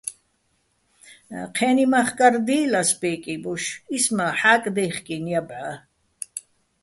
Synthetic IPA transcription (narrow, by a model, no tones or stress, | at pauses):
qʰɛːnimaχkʼaɾd̪iːlasbɛːkʼibuʃismaħaːkʼd̪ɛjχkʼinjabʕa